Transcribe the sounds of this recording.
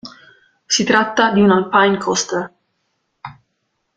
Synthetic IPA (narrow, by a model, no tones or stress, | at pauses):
sit̪ɾat̪ːad̪iunalpajnkʰɔst̪ə